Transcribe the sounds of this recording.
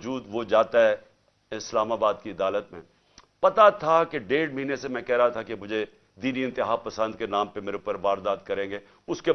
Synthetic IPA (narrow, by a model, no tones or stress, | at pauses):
d͡ʒuːd̪ʋod͡ʒaːt̪aɦɛ | ɪslaːmabaːd̪kiɐd̪aːlət̪mẽː | pɐt̪at̪ʰakeɖeːɖmɐɦiːnesemɛ̃kɛɦɾaɦat̪ʰakemʊd͡ʒʱe | d̪iːniɪ̃nt̪ɪɦaːpɐsə̃nd̪kenãːmpemeːɾepəɾʋaːɾd̪aːd̪̚kɐɾẽːɡeː | ʊske